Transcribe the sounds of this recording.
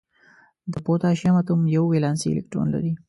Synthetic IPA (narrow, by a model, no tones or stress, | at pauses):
d̪əpot̪ɑʃjamat̪umjawːelɑnsḭḛlɪ̰k̚ʈɾo̰nla̰ɾi